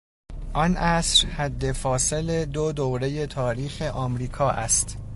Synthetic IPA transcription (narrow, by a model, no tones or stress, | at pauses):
ʔɒnʔæsɾhæd̪ːe̞fɒːse̞led̪od̪owɾe̞je̞t̪ʰɒːɾiːxe̞ʔɒːmɾiːkʰɒːʔæst̪